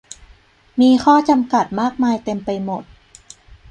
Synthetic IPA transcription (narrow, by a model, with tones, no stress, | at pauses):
miː˧kʰɔː˥˩t͡ɕa˧mka˨˩t̪̚maː˥˩k̚maː˧jt̪e˧mpa˧jmo˨˩t̪̚